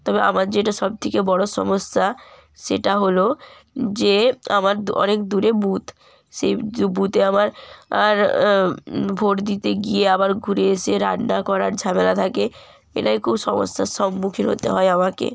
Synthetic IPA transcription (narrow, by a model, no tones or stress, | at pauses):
t̪ɔbeʔa̰maɾd͡ʑeʈaʃɔb̚t̪ʰekebɔɽoʃɔ̰mosːa | ʃḛʈaɦolo | d͡ʑeamaɾɔ̰nekd̪uɾebut̪ | ʃeubut̪eamaɾaɾ | bʱoʈd̪it̪eɡieabaɾɡʱuɾeeʃeɾa̰nakɔɾaɾd͡ʑʱamelat̪ʰake | ḛʈajkʰubʃɔmo̰sːaʃɔmːukʰiɾɦo̰t̪eɦɔeamakḛ